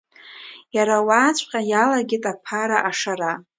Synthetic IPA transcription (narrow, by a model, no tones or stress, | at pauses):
jaɾawaːt͡ɕʷʼqʲʼajalaɡʲɪtʼapʰaɾaʔaʂaɾa